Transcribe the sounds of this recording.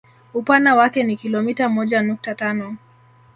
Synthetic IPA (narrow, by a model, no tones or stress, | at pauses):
upandawakɛnikilɔmitamɔʄanuk̚tatanɔ